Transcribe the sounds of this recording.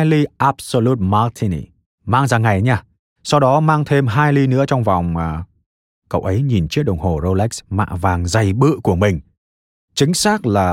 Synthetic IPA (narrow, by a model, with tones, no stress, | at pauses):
jli˧ʔa˦˥p̚so˧lu˦˥t̚ma˧t̪ʰi˧nḭ˨˩ | maː˧ŋzaː˧˩ŋa˨˩jɲaː˧ | sa˧wɗɔ˨˦maː˧ŋt̪ʰe˧mɦaː˧jli˧nɨ̰˧˥ət͡ɕɔ˧wŋ͡mva˨˩wŋ͡m | kə̰˧˨wʔə˨˦jɲi˨˩nt͡ɕi˦˥əɗə˨˩wŋ͡mho˨˩zo˧lɛ˦˥k̚sma̰ː˧˨vaː˨˩ŋza˨˩jɓɨ̰˧˨ku˧˩əmï˨˩ŋ̟ | t͡ɕï˨˦ŋ̟saː˦˥k̚laː˨˩